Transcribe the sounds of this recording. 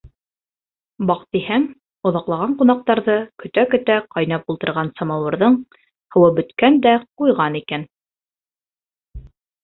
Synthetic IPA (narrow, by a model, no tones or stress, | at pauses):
bɑqt̪ihæŋ | ŏðɑqlˠɑʁɑɴqunɑq̚t̪ɑɾðɤkɵ̆t̪ækɵ̆t̪æqɑjnɑp̚ulˠt̪ɤ̆ɾʁɑnsɑmɑwɤ̆ɾðɤɴ | hɤ̆wɤbɵ̆t̪kænd̪æqujʁɑnikæn